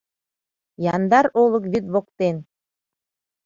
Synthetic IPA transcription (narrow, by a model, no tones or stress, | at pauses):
jɑnd̪ɑɾolˠɤ̆k̬βyt̪βokt̪en